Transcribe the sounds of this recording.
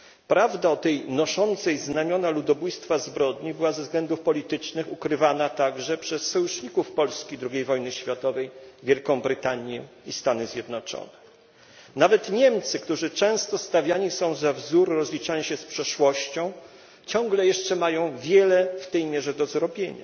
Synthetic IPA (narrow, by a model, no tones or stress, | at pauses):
pɾavd̪aɔt̪ɛjnɔʂɔnt̪sɛjznamʲjɔnalud̪ɔbujst̪fazbɾɔd̪ɲibɘwazɛvzɡlɛnd̪ufpɔlʲit̪ɘt͡ʂnɘxukɾɘvanat̪aɡʐɛpʂɛsːɔjuʂɲikufpɔlskʲid̪ɾuɡʲejvɔjnɘɕfʲjat̪ɔvɛjvʲjɛlkɔ̃w̃bɾɘt̪aɲjɛ̰ | ist̪anɘzʲjɛd̪nɔt͡ʂɔ̰nɛ | navɛt̪ɲɛmt̪sɘkt̪uʐɘt͡ʂɛ̃w̃st̪ɔst̪avʲjaɲisɔ̃w̃zavzuɾːɔzlʲit͡ʂaɲiɕɛspʂɛʂwɔɕt͡ɕɔ̃w̃ | t͡ɕɔ̃ŋɡlɛjɛʂt͡ʂɛmajɔ̃w̃vʲjɛlɛft̪ɛjmʲjɛʐɛd̪ɔzɾɔbʲjeɲa̰